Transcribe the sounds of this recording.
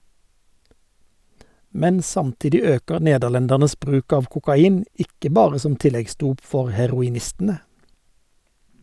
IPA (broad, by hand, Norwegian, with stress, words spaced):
ˈmɛn ˈsɑmˌtɪdɪ ˈøːkəʁ ˈneːdəʁˌlɛndæʁnəs ˈbʁʉːk ˈɑːʋ kʊkɑˈiːn ˈɪkə ˈbɑːʁə ˈsɔm ˈtɪlɛɡˌsduːp ˈfɔʁ hɛʁʊɪˈnɪstn̩ə